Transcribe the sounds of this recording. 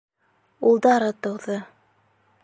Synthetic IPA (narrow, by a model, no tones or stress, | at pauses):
ulˠd̪ɑɾɤt̪ɤ̆wðɤ